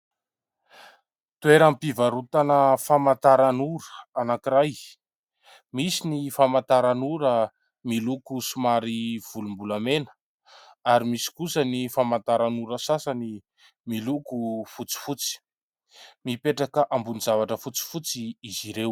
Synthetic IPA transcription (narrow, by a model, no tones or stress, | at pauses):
t̪ueɾampivaɾut̪anəfamant̪aɾanuɾəanakiɾaj | misinifamat̪aɾanuɾə | milukusumaɾiv̥ulumbulamenə̥ | aɾimisi̥kusənifamant̪aɾanuɾəsasani | milukufut͡si̥fut͡si̥ | mipeʈ͡ʂakəʔambunizavaʈ͡ʂəfut͡si̥fut͡siːziɾew